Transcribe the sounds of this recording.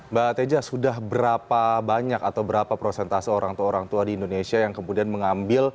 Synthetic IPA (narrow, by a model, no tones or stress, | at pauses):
bat̪ed͡ʒasudahbəɾapabaɲakat̪awbəɾapapɾosɛnt̪asioɾaŋt̪uaoɾaŋt̪uadiːndonesiajaŋkəmudianməŋambɪl